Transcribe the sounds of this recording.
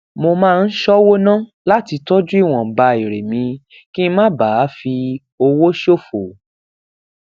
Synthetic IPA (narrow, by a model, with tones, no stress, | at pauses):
mo˧mãː˦˧n̩˦ʃɔ˦wo˦nã˦˨ | la˦ti˧tɔ˦d͡ʒu˦i˦˨w̃ɔ̃˨ba˧i˨ɾe˨mĩ˧˦ | ki˦˧˦mã˦ba˨˦fi˧ | o˧wo˦ʃo˦˨fo˨